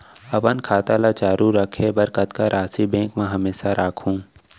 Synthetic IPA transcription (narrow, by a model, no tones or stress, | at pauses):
ɐpənkʰaːt̪alat͡ʃaːɾuɾɐkʰebɐɾkət̪kaɾʔaːsibẽːkmẽɦɐmeːʃaɾaːkʰɦũː